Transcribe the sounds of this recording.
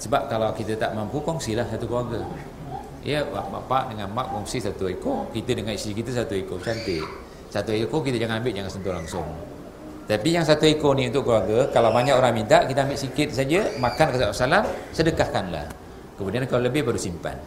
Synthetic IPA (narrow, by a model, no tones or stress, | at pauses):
səbap̚kalawkit̪ət̪aʔmampukɔŋsilahsat̪ukəluaɡa | ijəba̰ʔma̰ʔpaʔdəŋanmaʔkɔŋsisat̪uekokit̪ədəŋanisikit̪əs̬at̪uekosant̪eʔ | sat̪uekok̬it̪əd͡ʒaŋanambɪt̪̚d͡ʒaŋansənt̪ulaŋsʊŋ | t̪apijaŋsat̪uekoniunt̪ʊʔkəluaɡakalawbaɲakoɾaŋmint̪aʔkit̪əambɪʔsikɪt̪̚sad͡ʒəmakankəsaasalansədəkahkanla̰h | kəmudiankalaləbɪhpadusimpa̰n